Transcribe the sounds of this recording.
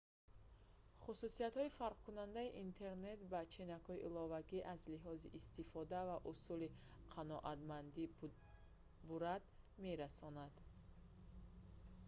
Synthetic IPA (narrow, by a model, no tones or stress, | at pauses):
χususiat̪hɔifaɾq̚kʰunand̪aiʔint̪ʰe̞ɾne̞t̪bat͡ʃʰinakhɔiʔilɔvaɡiʔazliɦɔziʔːst̪ifɔd̪avaʔusuli | qʰanɔʔat̪mand̪i | buɾad̪ | me̞ɾasɔnad̪